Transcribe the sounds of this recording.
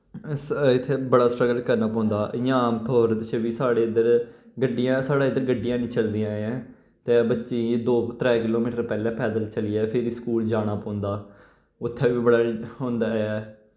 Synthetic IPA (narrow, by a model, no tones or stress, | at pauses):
ɪt̪ʰːeːbəɽaːsʈɾəɡəlkəɾnaːpɔ̃ːnd̪aːʔjaːmt̪ʰoːɾt̪ɪseːʋiːsaːɽeːɪd̪əɾɡəɖːɪjãːsaːɽaːɪd̪əɾɡəɖːɪjãːnĩːt͡ʃəld̪ijãːɛ̃ː | t̪eːbətːʃiːd̪oːt̪ɾɛːkɪloːmiːʈəɾpɛːlɛːpɛːd̪əlt͡ʃəlijɛːpʰɪɾskuːld͡ʒaːɽ̃aːpɔ̃ːʊ̃nd̪aː | ʊt̪ʰːɛːʋiːbəɽaːɦõːnd̪aːɛː